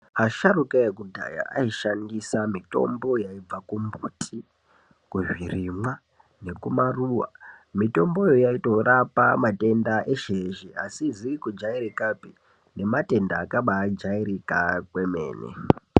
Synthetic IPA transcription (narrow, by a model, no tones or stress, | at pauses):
aʃarukaekudʱa̰ja̰ʔaiʃandisamito̞̰mbo̞jaib͡vakumbuːtʰi | kuʐwirimwa | ne̞kumaruːwa̰mito̞mbo̞jojaito̞rapa̰mate̞ndaʔe̞ʃeʒiasiziikud͡ʒaiɾikapi | ne̞mate̞nda̰ːkaɓad͡ʒaiɾikakweme̞̰ːnḛ